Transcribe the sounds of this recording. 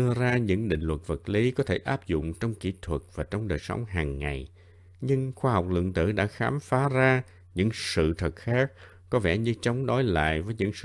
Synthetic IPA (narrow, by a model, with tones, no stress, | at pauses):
ɨ˧əzaː˧ɲɨ̰˧˥ŋɗḭ˧˨ŋ̟lwə˨˩t̚və˨˩t̚li˨˦kɔ˨˦t̪ʰe˧˩ʔaː˦˥p̚zʊ̰˧˨ŋ͡mt͡ɕɔ˧wŋ͡mkḭ˧˥t̪ʰwə˨˩t̚vaː˨˩t͡ɕɔ˧wŋ͡mɗəː˨˩jsə˨˦wŋ͡mɦaː˨˩ŋːa˨˩j | ɲɨ˧ŋxwaː˧ɦɔ˨˩wk͡p̚lɨ̰˧˨əŋt̪ɨ̰˧˩ɗa̰ː˧˥xaː˨˦mfaː˨˦zaː˧ | ɲɨ̰˧˥ŋsɨ̰˧˨t̪ʰə˨˩k̚xaː˦˥k̚ː | ɔ˨˦vɛ˧˩ɲɨ˧t͡ɕɔ˨˦wŋ͡mɗɔ˨˦jla̰ː˧˨jvəː˨˦jɲɨ̰˧˥ŋsɨ˧˨